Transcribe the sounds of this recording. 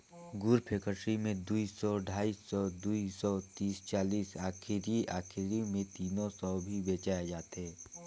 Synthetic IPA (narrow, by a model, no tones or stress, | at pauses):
ɡʊɾpʰeːkəɾʈɾimẽd̪uisɔɖʱaːiːsːɔd̪uisɔt̪iːst͡ʃaːliːsaːkʰɪɾiaːkʰɪɾimẽt̪iːnõsɔbʱibeːt͡ʃaːjad͡ʒaːt̪ɦɛː